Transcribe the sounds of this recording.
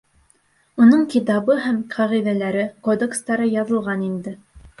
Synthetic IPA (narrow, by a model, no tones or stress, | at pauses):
unɤɴkit̪̬ɑβɤɦæmqʰɑʁiðælæɾɘqod̪ekst̪ɑɾɤjɑðɤ̆lˠʁɑnind̪ɘ